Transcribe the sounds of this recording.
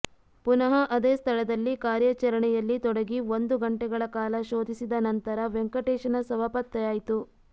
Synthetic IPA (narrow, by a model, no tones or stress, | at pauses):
punɐɦɐʔɐd̪eːst̪ʰɐɭɐd̪ɐlːikaːɾjɐt͡ʃɐɾɐɳɛjɐlːit̪ɔɽɐɡiʋond̪uɡɐɳʈɛɡɐɭɐkaːlɐʃoːd̪ʱisid̪ɐnɐnt̪ɐɾɐʋeŋkɐʈeːʃɐnɐsɐʋapɐt̪ːɐjaːjit̪u